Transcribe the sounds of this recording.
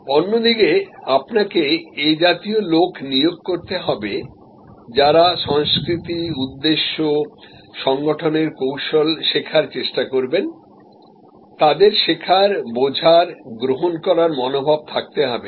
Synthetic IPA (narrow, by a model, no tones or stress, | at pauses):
onːod̪ikeapnakeːd͡ʑat̪iolokʰnijoɡ̚koɾt̪eɦɔbe | d͡ʑaɾaʃɔŋskɾit̪iud̪ːeʃːo | ʃɔŋɡoʈʰoneɾkowʃolʃekʰaɾt͡ɕeʃʈakoɾben | t̪ad̪eɾʃekʰaɾbod͡ʑʱaɾɡɾoɦonkɔɾaɾmɔnobʱab̚t̪ʰak̚t̪eɦɔbe